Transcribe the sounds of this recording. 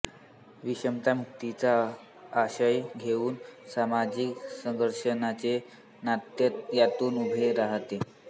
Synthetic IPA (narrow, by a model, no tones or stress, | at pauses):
ʋiɕəmt̪amuk̚t̪it͡saː | ɕəjɡʱeuːnsamad͡ʑiksəŋɡəɾʂənat͡se | nat̪jət̪jat̪uːnubʱeɾaɦt̪e